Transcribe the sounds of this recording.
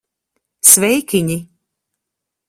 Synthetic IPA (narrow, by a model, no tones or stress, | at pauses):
svɛjkʲiɲi